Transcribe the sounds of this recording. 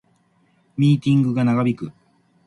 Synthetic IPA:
mʲiːt̪ʲĩŋɡɯ̟ɡanaɡabʲikɯ̟

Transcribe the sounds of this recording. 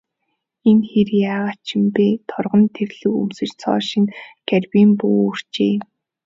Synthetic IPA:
enxerjaːʁat͡ɕʰɪ̆mpeːt̪ʰɔrʁɞ̆nt̪ʰerɮ̥ɘ̆kṵmsɘ̆t͡ɕt͡sʰɔ̰ːʃɪ̆ŋɡærpiːmpuːor̥t͡ɕeː

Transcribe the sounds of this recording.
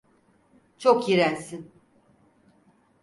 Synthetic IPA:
t͡ʃʰokjiɾænsin

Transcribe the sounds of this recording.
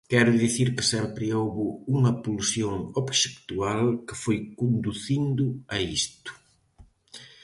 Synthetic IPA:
kɛɾʊðiθiɾkɪsɛmpɾɪowβʊuŋɐpulsjoŋoβʃekt̪ualkɪfojkund̪uθind̪ʊɐist̪ʊ̥

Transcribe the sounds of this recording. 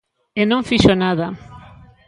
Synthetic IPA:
enõŋfiʃonaða

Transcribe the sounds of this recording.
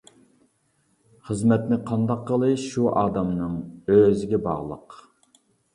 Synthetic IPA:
χəzmɛt̪nɪqʰɑnd̪ɑqːəlˠɨʃuʔɑːd̪ɑmnɨŋøzɪɡʲɛbɑ̰ʁlˠə̰q

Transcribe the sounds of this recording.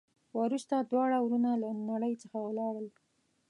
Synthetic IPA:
waɾust̪ad̪wɑɽawɾunalanaɽəjt͡səxawlɑwəl

